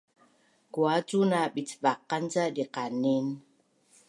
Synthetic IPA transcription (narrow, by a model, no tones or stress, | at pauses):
kuat͡sunabit͡svaqːant͡sadiqanin